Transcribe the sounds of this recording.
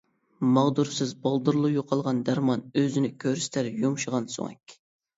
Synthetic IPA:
mɑʁd̪uɾsɨzbɑlˠd̪uɾlˠujoqʰɑlˠʁɑnd̪æɾmɑnøzɪnɪkʲʰøɾst̪ʰæɾjumʃəʁɑnso̰ŋɛ̰kʲ

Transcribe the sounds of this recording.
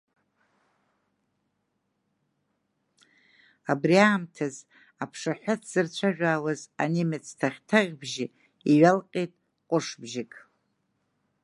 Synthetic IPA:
abriaːmtʰaz | apʰʂaħʷᶣʊtʰz̥ɨrt͡ɕʷʰaʒᶣaːwazanimet͡sʰtʰaχʲtʰaʁʲbʒɪ | iɥalqʲʼejtʼ | qʷʼʊʂbʒɪkʼ

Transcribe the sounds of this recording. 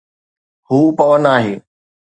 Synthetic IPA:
huːpɐʋənaːɦeː

